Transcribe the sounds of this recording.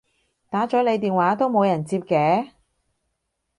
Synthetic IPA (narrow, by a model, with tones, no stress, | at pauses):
t̪aː˨˥t͡ʃɔː˨˥le˨˧jt̪̬iː˨nwaː˨˥t̪o˥wmo˨˧wjɐ˨˩nt͡siː˧p̚kɛː˨˥